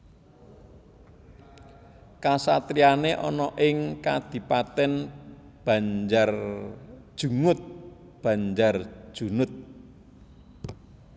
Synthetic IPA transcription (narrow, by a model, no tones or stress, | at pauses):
kasat̪ɾianeʔɔ̰nɔʔɪŋkad̪̥i̤pat̪ɛn | b̥a̤ɲd͡ʒar | d̥ʒ̥ṳŋʊt̪̚ | b̥ä̤ɲd͡ʒar̥ʒ̥unʊt̪̚